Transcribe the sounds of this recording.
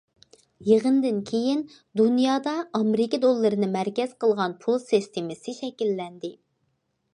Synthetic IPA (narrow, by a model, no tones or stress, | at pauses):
jeʁənd̪ɪnkʲʰejin | d̪unjɑːd̪ɑɑmɾɪkʲid̪olˠːɨɾɨnɨmæɾkʲɛz̥qəlˠʁɑnpʰulˠsist̪ʰemɪsɪʃɛkʲilːɛnd̪ɪ